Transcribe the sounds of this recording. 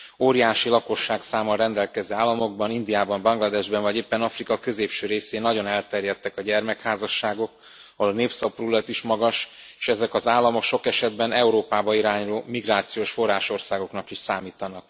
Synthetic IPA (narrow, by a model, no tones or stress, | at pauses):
oːɾijaːʃilɒko̞ʃːaːksaːmɒɾɛnd̪ɛlkɛzøːaːlːɒmo̞ɡ̚bɒnind̪ijaːbɒmbɒŋɡlɒd̪ɛʒbɛnvɒɟeːpːɛnɒfrikɒkø̞zeːpʃøːɾeːseːnːɒɟo̞nɛlt̪ɛrjɛt̪ːɛkɒɟɛrmɛkhaːzɒʃːaːɡo̞k | ɒolneːpsɒpruːlɛt̪iʃmɒɡɒʃ | e̥ːʃɛzɛkɒzaːlːɒmo̞kʃo̞kɛʃɛd̪̚bɛnɛuɾoːpaːbɒiɾaːɲuloːmiɡraːt̪sijoːʃfo̞rːaːʃo̞rsaːɡo̞knɒkiʃsaːmiːt̪ɒnɒk̚